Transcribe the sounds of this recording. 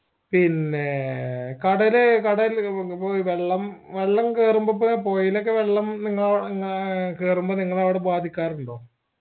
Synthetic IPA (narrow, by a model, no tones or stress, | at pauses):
pinːekɐɽɐlekɐɽɐlpoʋeɭːɐmʋeɭːɐmkeːrumbɐpːopo̞ːjilok̬ːeʋe̞ɭːɐmniŋːɐɭɐʋŋːɐɭkeːrumbɐniŋːɐɭɐʋiɽebaːd̪ʱikʲːaːruɳɖo̞ː